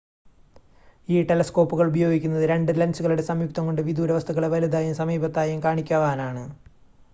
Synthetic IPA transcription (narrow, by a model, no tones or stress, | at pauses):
iːʈelɐsko̞ːpːuɣɐɭubɐjo̞ːɡikʲːunːɐðɨɾe̞ɳɖɨlɐnt͡ɕuɣɐɭuɽe̞sɐmjuk̚t̪ɐŋko̞ɳɖɨʋid̪uːɾɐʋɐst̪ʰɐɣːɐɭeʋɐlid̪aːjumsɐmiːbɐt̪ːaːjumkaːɳikʲːaːʋaːnaːɳɨ